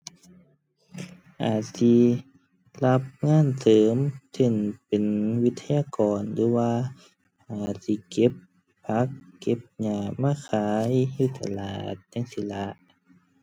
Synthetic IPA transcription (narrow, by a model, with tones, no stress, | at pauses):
ʔaː˨˩t̪̚si˧ | la˧˥p̚ŋaː˧˥˨nsɤː˨˦mse˧˩npe˨nwi˦˥t̪ʰːa˧jaː˧˨kɔː˨˩ndu˧˦waː˧ | ʔaː˨˩t̪̚si˧˦ke˧˦p | pʰːa˧˦˥kːe˧˦˥p̚ɲaː˧˩maː˧˥˨kʰaː˨˦jhuː˧˩t̪a˧˨la̰ː˨˩t̪̚ɲa˧˨ŋsi˧˦la˧˥ʔ